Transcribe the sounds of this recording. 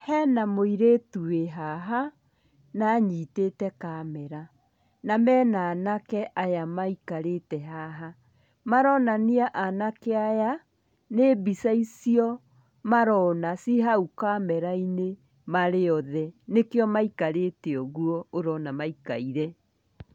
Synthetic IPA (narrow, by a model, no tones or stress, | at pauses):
hɛnamoiɾetueɦaɦa | naːɲiːtetɛkamɛɾa | namɛnaːnakɛʔajamaikaɾetɛɦaɦa | maɾɔnaniaʔanakeaja | nebisaisiɔ | maɾɔnasiɦaukamɛɾaine | maɾeɔðɛnekeɔmaikaɾeteɔɣuɔoɾɔnamaika̰iɾɛ